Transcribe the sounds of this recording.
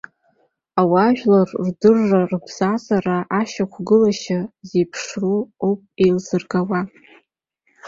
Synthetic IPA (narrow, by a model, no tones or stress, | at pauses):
awaʒᶣlarrdɨrːarbz̥azaraʔaʃakʷʰɡɨlaʃazejpʰʂruowpʼejlzɨrɡawa